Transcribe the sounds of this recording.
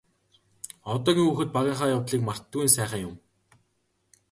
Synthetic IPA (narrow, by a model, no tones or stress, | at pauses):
ɔt̪ɔːɣʲiːŋuːxɘ̆t̪̚paɣʲaːɴχaːjawt̪ɮiːkmar̥t̪ːɡuiːnsæːχə̆ŋjʊm